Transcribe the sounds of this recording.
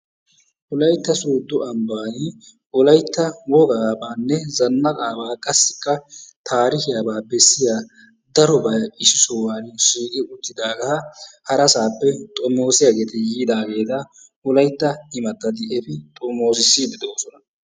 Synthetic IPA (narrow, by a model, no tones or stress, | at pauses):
ʔʊlɐjt̪ːɐsuːd̪ːʊʔɐmbaːnɪ | ɔlɐjt̪ːɐwɔɡabaːnːɛzɐnːɐkʼaːbaːkʼɐsːɪkːɐt̪ʰaːɾɪkɪjaːbaːbɛsːɪjaː | d̪ɐɾɔbɐjɪsɪsɔwaːnʃiːkʼɪʔʊt̪ːɪd̪aːɡɐhɐhɐɾɐsaːpːɛt̪ʼɔmo̞ːsɪjaɡeːt̪ɛjiːd̪aːɡeːt̪ɐ | ʊlɐjt̪ːɐhɪmɐt̪ːɐd̪ɪɛfɪt̪ʼɔmːoːs̬ɪsːiːd̪ɪd̪oːsɔnɐ